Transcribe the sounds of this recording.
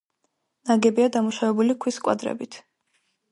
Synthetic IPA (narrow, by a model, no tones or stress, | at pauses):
naɡɛbiad̪amuʃavɛbulikʰwiskʼwa̰d̪ɾɛ̰bit̪ʰ